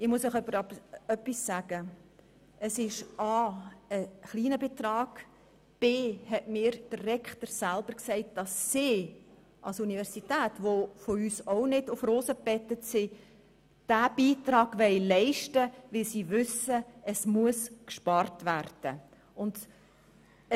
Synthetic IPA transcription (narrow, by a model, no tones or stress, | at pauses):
ɪmuəsəχœpːəɾɑœpːisːæːɡ̥ə | əsɪʃɑːəχliːnəbɪt̪rɑːɡ̥ | b̥ɪhɛtmiːɾd̥ərːɛkχtəɾsælb̥əɾksɛɪt̚d̥ɑsːɪː | ʔɑlsunivɛɾsitæːtʋofoyːsɔʊnɪdʊfroːsəpɛt̪ːətsɪ | d̥æb̥iːtɾɑːɡ̥ʋɛɪlɛɪʃtəʋɪlsiːʋʏsəəsmuəskʃpɑrtʋærd̥ə | ʊnd̥